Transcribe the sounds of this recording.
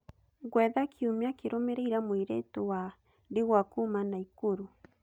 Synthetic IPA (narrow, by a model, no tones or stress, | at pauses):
ɣwɛðakʰiumjakeɾomeɾeiɾamwiɾetowa | deɣwakumanaikoɾu